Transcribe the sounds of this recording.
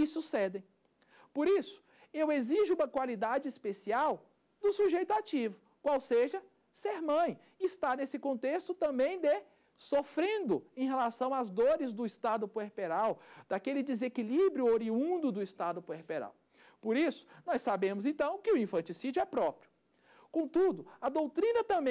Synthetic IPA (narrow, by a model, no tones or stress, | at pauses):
isusɛd̪ẽj̃ | poɾisʊ̥ | eweziʒʊũmɐkwalid̪ad͡ʒɪispesiaw | d̪ʊsuʒejt̪ʊat͡ʃivʊ | kwawseʒɐ | seɾmɐ̃j̃ | ist̪anesɪkõnt̪est̪ʊt̪ɐ̃mbẽj̃d̪e | sofɾẽnd̪ʊẽj̃ɦelasɐ̃w̃azd̪oɾɪzd̪ʊist̪ad̪ʊpoeɾpeɾawd̪̥akelɪd̪ezekilibɾjʊoɾiũd̪ʊd̪ʊist̪ad̪ʊpoeɾpeɾa̰w | poɾisʊ̥nɔjsːabẽmʊzẽnt̪ɐ̃w̃kɪʊĩfɐ̃nt͡ʃisid͡ʒʊɛpɾɔpɾijʊ | kõt̪ud̪ʊɐd̪owt̪ɾĩnɐt̪ɐ̃mbẽ